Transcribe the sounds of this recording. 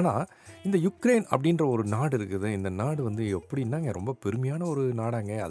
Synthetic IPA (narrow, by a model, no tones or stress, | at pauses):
na̰ː | ɪnd̪ɐjʊkːɾeɪnɐ̰pːɐɽɪnrɐɔɾɯnaːɽɪɾɯkːɯðɯɪnd̪ɐnaːɽɯʋɐnd̪ɯɛpːɐɽiɪnːaːŋɡɐɾɔ̰mbɐpɛɾɯmɐjaːnɐɔɾɯnaːɽaːŋɡɐɐ̰ð